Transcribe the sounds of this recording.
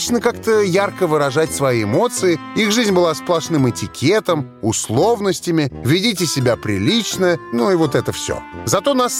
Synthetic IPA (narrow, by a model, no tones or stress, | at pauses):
t͡ɕnəkakt̪əjarkəvɨɾɐʐatʲsvɐjiɪmo̞t̪sɨɪixʐɨzʲnʲbɨlˠasplˠɐʂnɨmɨtʲɪkʲʰet̪əmʊslˠo̞vnəsʲtʲɪmʲɪvʲɪdʲitʲɪsʲɪbʲapɾʲɪ̰lʲit͡ɕnənuivo̞t̪ɛt̪əfsʲo̰zɐt̪o̞nas